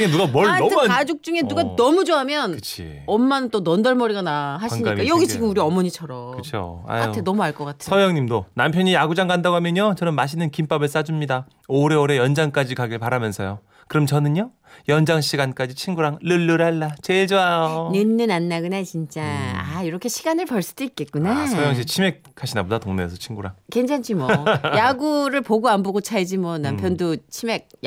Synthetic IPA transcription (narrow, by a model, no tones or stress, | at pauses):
enuɡamʌad͡ʑuk̚t͡ɕ͈uŋe̞nuɡanʌmud͡ʑoɦamjʌnɯt͡ɕʰḭ | ʌmːanɯnt͈onʌndʌɭmʌɾiɡanahaɕʰiɲikajʌɡit͡ɕiɡɯmuɾiʌmʌɲit͡ɕʰʌɾʌkɯt͡ɕʰo̰a̰k͈aotʰenʌmuaɭk͈ʌk͈atʰsʰʌjʌŋɲimdonampʰjʌɲijaɡud͡ʑaŋɡandaɡoɦamjʌɲot͡ɕʌnɯmːaɕʰinɯnkimp͈abɯɭs͈ad͡ʑumɲida | oɾe̞oɾe̞jʌnd͡ʑaŋk͈ad͡ʑikaɡiɭpaɾamjʌnsʰʌjo | kɯɾʌmt͡ɕʌnɯɲjo | jʌnd͡ʑaŋɕʰiɡank͈ad͡ʑit͡ɕʰinɡuɾaŋlɯɭːɯɾaɭːat͡ɕeɭd͡ʑoajonɯnːɯnanːaɡɯnat͡ɕint͡ɕ͈aaiɾʌkʰe̞ɕʰiɡanɯɭpʌɭs͈ɯ̥d̥oik͈e̞t̚k͈unasʰojʌŋɕʰit͡ɕʰime̞k̚kʰaɕʰinabodatoŋnḛːsʰʌt͡ɕʰinɡuɾa̰ŋkend͡ʑʰant͡ɕʰimʌjaɡuɾɯɭpoɡoamboɡot͡ɕʰaed͡ʑimwʌnampʰjʌndot͡ɕʰime̞k̚